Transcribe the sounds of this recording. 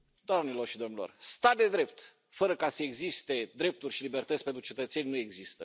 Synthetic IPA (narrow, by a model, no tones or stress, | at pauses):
d̪oamnilo̞rʃid̪o̞mnilo̞̰rst̪ad̪e̞d̪ɾe̞p̚t̪ | fəɾəkasəeɡzist̪e̞d̪ɾe̞p̚t̪urʲʃilibe̞rt̪ət̪spe̞nt̪ɾut͡ʃe̞t̪ət̪se̞nʲnue̞ɡzist̪ə